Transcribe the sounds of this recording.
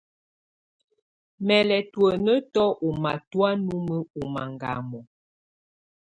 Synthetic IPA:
mɛ˨lɛ˨twə˨nə˦tɔ˦ʔu˨ma˨twa˦nu˦mə˦u˨ma˨ŋɡa̰˨mɔ˨

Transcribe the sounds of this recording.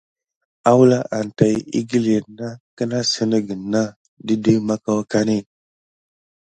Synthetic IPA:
a˦wla˦ʔa˨n˨ta˨jḭ˦ɡi˦le˨na˦kə˦na˦sə˦nə˦ɡə˨nːa˦ | di˦də˦ma˦ka˦wa˦ka˦ni˦˨n

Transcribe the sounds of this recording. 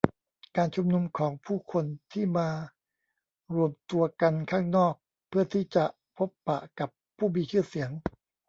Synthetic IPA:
kaː˧nt͡ɕʰu˧mnu˧mkʰɔː˩˦ŋpʰuː˥˩kʰo˧nt̪ʰiː˥˩maː˧ | ɾu˧əmt̪u˧ɐka˧nkʰaː˥˩ŋnɔː˥˩k̚ | pʰɯ˥˩ɐt̪ʰiː˥˩t͡ɕa˨˩ʔ | pʰo˦˥pːa̰˨˩ʔka˨˩pʰːuː˥˩miː˧t͡ɕʰɯː˥˩si˩˦əŋ

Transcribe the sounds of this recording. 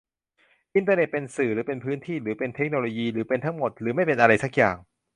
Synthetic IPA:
ʔi˧nt̪aː˧ne˨˩t̪̚pe˧nsɯː˨˩ɾɯː˩˦˥pe˧npʰɯː˦˥nt̪ʰiː˥˩ɾɯː˩˦pe˧nt̪ʰe˦˥k̚no˧loː˧jiː˧ɾɯː˩˦pe˧nt̪ʰa˦˥ŋmo˨˩t̪̚ɾɯː˩˦ma˥˩jpe˧nʔa˧ɾa˧jsa˩˥k̚jaː˨˩ŋ

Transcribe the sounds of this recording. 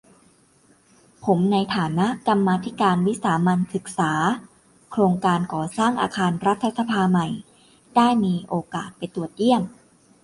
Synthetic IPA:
pʰo˩˦mna˧jt̪ʰaː˩˦na˦˥ʔka˧mːaː˧t̪ʰi˦˥kaː˧nwi˦˥saː˩˦ma˧nsɯ˨˩k̚saː˩˦ | kʰɾoː˧ŋkaː˧nkɔː˨˩saː˥˩ŋʔa̰ː˧kʰaː˧nɾa˦˥t̪ʰːa˧sa˧pʰaː˧ma˨˩j | d̥aː˥˩jmiː˧ʔoː˧kaː˨˩t̪̚pa˧jt̪u˨˩ət̪̚ji˥˩əm

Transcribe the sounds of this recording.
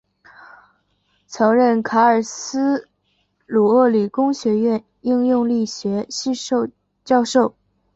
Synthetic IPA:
t͡sʰɤ˧˥ŋɻə˥˩nkʰa˧˥ə˞˨˩sɹ̩˥ | lu˨˩ɤ˥˩li˨˩kʊ˥ŋɕɥɛ˧˥ɥɛ˥˧n | i˥˧ŋjʊ˥˧ŋli˥˩ɕɥɛ˧˥ɕ | t͡ɕjɑ˥˧ʊʂo˥˩ʊ

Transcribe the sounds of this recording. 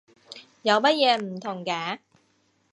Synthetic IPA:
ja˨˦wbaː˦˥je˧nm˨t̪ʰɔ˨˩ŋkaː˨˦

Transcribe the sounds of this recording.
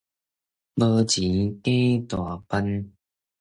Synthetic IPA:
bə˧t͡ɕi˨˦ke˦t̪wa˨˩pa˧n

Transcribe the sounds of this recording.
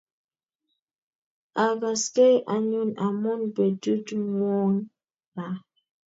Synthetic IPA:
a˨ɡa˨ske˦jʔa˨ɲu˦na˨mu˦nbe˨du˦twɔ˦n | la˨

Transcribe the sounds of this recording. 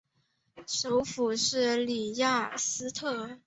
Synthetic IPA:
ʂo˧˥ʊfu˨˩ʂɻ̩˥˩li˨˩ja˥˩sɹ̩˥t̪ʰɤ˥˩

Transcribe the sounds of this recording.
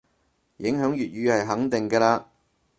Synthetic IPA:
jɪ˨˥ŋɦœː˨˥ŋjyː˨t̚jyː˨˧hɐ˨jɦɐ˨˥ŋt̪ɪ˨ŋkɛː˧laː˧

